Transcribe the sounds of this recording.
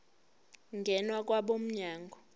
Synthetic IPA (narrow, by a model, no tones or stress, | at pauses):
ŋɡʱɛnwak̬ʼwaɓom̩ɲaːŋɡʱɔ